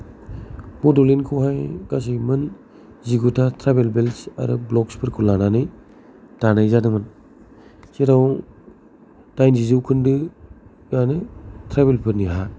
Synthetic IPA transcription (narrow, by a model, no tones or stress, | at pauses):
mɔdolinkʰuwɦajɡ̥as̬ɯjmɯn | ziɡutʰatʰɾabelbelsa̰ɾɯ̰blɔkspʰɯɾkʰulananɯj | tanajzanɯmɯn | seɾaw | tajnzizɯwkʰɯndɯ | ɡanɯtʰɾabelpʰɯɾniɦa